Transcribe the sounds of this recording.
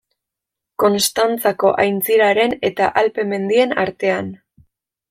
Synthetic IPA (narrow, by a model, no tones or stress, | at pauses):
ko̞nst̪ant͡sako̞ʔajnt͡siɾaɾe̞ne̞t̪aʔalpe̞me̞nd̪ie̞na̰ɾt̪e̞an